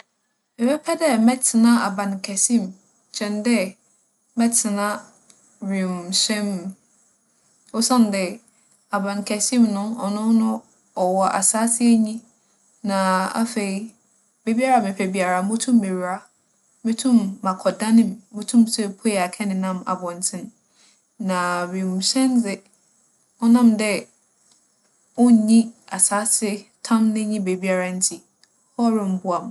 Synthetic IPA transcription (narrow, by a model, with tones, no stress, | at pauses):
mɪ˨bɛ˦pʰɛ˦dɛ˦mɛ˦tʰɪ˨nã˦a˨bã˨n˨kʰɛ˨sĩ˦m | t͡ɕʰɛ̃˨ndɛ˦ | mɛ˦tʰɪ˨nã˦ | ɾĩ˨msɛ̃˦m | o˦sã˦n˨dɛ˨ | a˨bã˨n˨kʰɛ˨sĩ˦mnʊ̃˦ɔ˨nʊ̃˦nʊ̃˦ | ɔ˨wɔ˨ʔa̰˨saː˦sɪ˦ɛ˦ɲĩ˦ | nã˨a̰˦fe˨i˦ | be˨bi˦a˦ɾa˨mɪ̃˨pʰɛ˨bi˨a˨ɾa˨˦mʊ̃˦tʰũ˦mːe˨ɥɾa˦ | mɪ̃˦tʰũ˦mːã˨kʰɔ˨dã˦nɪ̃˨mːɪ̃˦tʰũ˦msɛ˦pʰo˦jɛ˨a˨kʰɛ˦nɪ̃˨nã˦ma̰˨bɔ̃˨n˨tʰɪ̃˦n | nã˨mĩ˨m˨ɕɛ̃˦nd͡zɪ˦ | ɔ˦nã˦mdɛ˦ | ʊ˦˨ɲĩ˦a˨saː˦sɪ˦tʰã˦mnɪ̃˦ɲĩ˦be˨bi˦a˨ɾa˦n̩˦tʰi˨ | hɔ˦ɾɪ̃˦m̩˦bʊ˦a˨m